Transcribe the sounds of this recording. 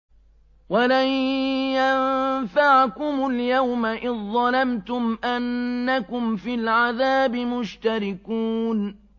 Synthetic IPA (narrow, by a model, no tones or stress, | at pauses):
walajjanfaʕkʊmʊljawmaʔɪnðˤɑlamt̪ʊmʔanːakʊmfɪlʕaðaːbɪmʊʃt̪aɾɪkuːn